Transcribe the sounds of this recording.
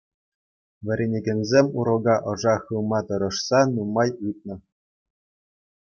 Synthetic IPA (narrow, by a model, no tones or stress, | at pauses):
ʋʲɘ̆ɾʲenʲeɡʲĕnʲzʲemʲuɾɤ̆ɡɑʔɤ̆ʐɑχɯlˠmɑt̪ɤ̆ɾɤ̆ʂsɑnumɑjɯt̪̚nɤ̆